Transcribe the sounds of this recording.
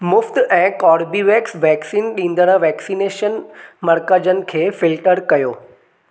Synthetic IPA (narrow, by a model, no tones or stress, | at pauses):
mʊft̪ɛ̃ːkɔːɾbiːʋeːksʋɛːksiːnɗĩːnd̪əɽ̃əʋɛːksiːneːʃənmɐɾkəd͡ʑənɪ̆kʰeːfɪlʈəɾkɐjoː